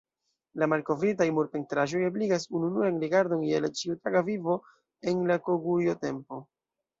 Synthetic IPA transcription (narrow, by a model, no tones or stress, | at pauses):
lamalko̞vɾitajmuɾpe̞ntɾaʒo̞jabliɡas̬ununuanɾiɡaɾdo̞nielat͡ʃiutaɡavivo̞ | e̞nlakoɡujo̞te̞mpo̞